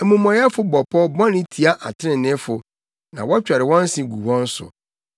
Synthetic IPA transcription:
ɛ˨mũ˨mɔ̃˨jɛ˦fʊ˦bɔ˨pʰɔ˦bɔ̃˦nɪ̃˦tʰi˨a˦ʔa̰˨tʰɪ˦ɾɪ̃˨nɪ̃˦fʊ˨ | nã̰˨wɔ˦t͡ɕᶣa˨ɾɪ˨wɔ̃˦n̩˦sɪ̃˨ɡu˨wɔ̃˦n̩˦sʊ̰˨

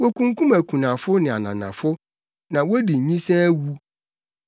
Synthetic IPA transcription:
wo˦kʰũ˦ŋkũ˦mæ˨kʰũ˨nã˨fʊ˦nɪ̃˨a˨nã̰˨nã̰˨fʊ˦ | nã˨wo˦di˨ɲĩ˦sɛː˦wu˦

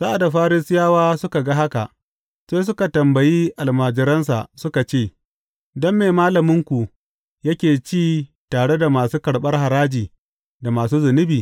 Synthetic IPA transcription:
sa˦ʔa˨da˨ɸaː˦ɾɪ˦sɪ˦jaː˦waː˦sʊ˦ka˨ɡa˦ɦa˦ka̰˨ʔ | seː˦s̬ʊ˦ka˨tɐ˨mbɐ˨ji˦ʔa˨lmaː˨d͡ʒɪ˨ɾɐ˦ns̬a̰˨ʔsʊ˦ka˨t͡ʃeː˦˨ | dɔ˦mːeː˨maː˦lɐ˨mʊ˦ŋkʷu˨ | jɐ˦kʲeː˨t͡ʃiː˦ | taː˨ɽe˦da˨maː˨suː˦kɐ˨ɽɓɐ˦rɦa˨ɾaː˦d͡ʒiː˨ | da˨maː˨suː˦zʊ˨nɪ˦biː˨

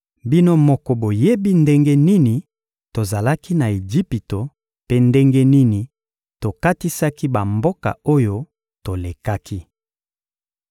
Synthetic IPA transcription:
bi˦no˦mɔ˦kɔ˨bo˨je˦bi˦nde˦ŋɡe˦ni˦ni˨ | to˨za˨la˦ki˦na˨e˨d͡ʒi˦pi˨to˨ | pe˦nde˦ŋɡe˦ni˦ni˨ | to˨ka˦ti˦sa˦ki˦ba˨mbo˦ka̰˨o˦jo˦ | to˨le˨ka˦ki˦

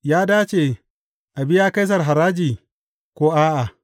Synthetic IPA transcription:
jaː˦daː˦t͡ʃeː˨ | ʔa˨bɪ˦jaː˦ka˦js̬ɐ˨rɦa˨ɾaː˦d͡ʒiː˨ | kʷoː˦ʔaː˦ʔa˨

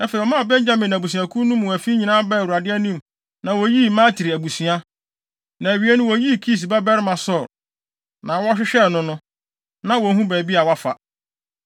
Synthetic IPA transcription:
ɛ˦fɛ˨i˨ɔ˨mã˦˨bɛ̃˦ɲd͡ʑa˦mɪ̃˨n˨æ˨bu˨sĩ˨a˨kʰũ˦nũ˦m̃˨æ˨fi˦ɲĩ˨nã˦bɛ˦˨wu˨ɾa˨dɪ˦æ˦nĩ˦m˨ | nã˨wɔ˨ji˦mã˦tʰi˨ɾi˨æ˨bu˨sĩ˨a˦ | nã˨e˨ɥi˨˦e˦nʊ̃˦wɔ˨˦ji˦˨kʰi˦˨s̬ba˦bɛ˦ɾɪ˦mã˨sɔ˦˨ɾ | nã˨wɔ˦ɕ̬ᶣɪ˦ɕᶣɛ˦˨nʊ̃˦nʊ̃˦ | nã˨wɔ˨˦ɦũ˦bæː˨bi˦a˨wa˦fa̰˨

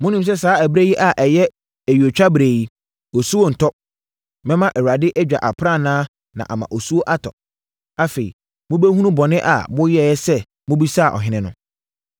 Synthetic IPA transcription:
mʊ̃˦nĩ˦ms̬ɛ˦saː˨˦æ˨bɾe˦ji˦ʔa˨ʔɛ˨jɛ˦ | æ˨ɥi˨o˨t͡ɕᶣa˦bɾeː˨ji˦ | o˨su˦wo˦˨n̩˨tʰɔ˦ | mɛ̃˦mã˦ʔɛ˨wa˨dɪ˦ʔɛ˦d͡ʑᶣa̰˨ʔa˨pʰɾa˦˨nãː˦ | nã̰˨ʔa̰˨mã̰˨ʔo˨su˦o˦ʔa˦tʰɔ̰˨ | a˦fe˨ḭ˨ | mʊ̃˦be˦hu˦nũ˦bɔ˨nɪ̃˦ʔa̰˨bʊ̃˦jɛ˦˨jɛ˦sɛ˦ | mʊ̃˦bi˦sa˦˨ʔɔ̰˨ɦɪ̃˦nɪ̃˦nʊ̃˦

